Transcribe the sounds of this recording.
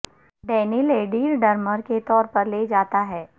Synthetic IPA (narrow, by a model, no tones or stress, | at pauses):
ɖɛːnɪleːɖiːɾɖɐɾməɾket̪ɔːɾpəɾleːd͡ʒaːt̪aɦɛː